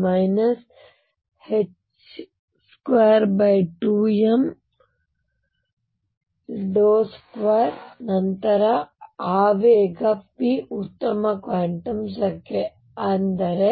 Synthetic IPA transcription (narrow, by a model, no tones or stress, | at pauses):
mɐjnɐs | het͡ʃ | skʋaːɾbɐjʈuːjem | ɖoːskʋaːɾnɐnt̪ɐɾɐaːʋeːɡɐpiut̪ːɐmɐkʋaːɳʈɐmsɐkːe | ɐnd̪ɐɾe